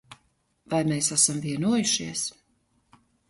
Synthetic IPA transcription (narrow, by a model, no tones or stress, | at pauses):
vajmeːsasamviɛnuɔjuʃiɛs